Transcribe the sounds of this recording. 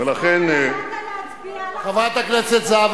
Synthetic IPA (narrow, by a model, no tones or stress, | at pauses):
elaχen | χavajt̪aknet͡set̪zav